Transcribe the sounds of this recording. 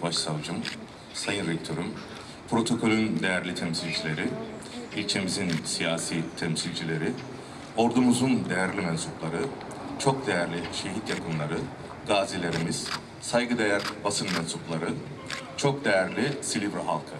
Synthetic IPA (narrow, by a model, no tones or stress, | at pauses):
baʃsavd͡ʒɯm | sajɯnɾɛkt̪ʰo̞ɾum | pʰɾo̞t̪ʰo̞kʰo̞lʲynd̪e̞jæɾlʲit̪ʰɛmsilʲd͡ʒilʲe̞ɾi | ilʲt͡ʃʰe̞mizinsijaːsiːt̪ʰɛmsilʲd͡ʒilʲe̞ɾi | o̞ɾd̪umuzund̪e̞jæɾlʲimɛnsuplˠaɾɯ | t͡ʃʰo̞k̚d̪e̞jæɾlʲiʃe̞ɦit̪jakʰɯnlˠaɾɯ | ɡaːzilʲe̞ɾimiz̥ | sajɡɯd̪ejæɾbasɯnmɛnsuplˠaɾɯ | t͡ʃʰo̞k̚d̪e̞jæɾlʲisilʲivɾaɦalˠkʰɯ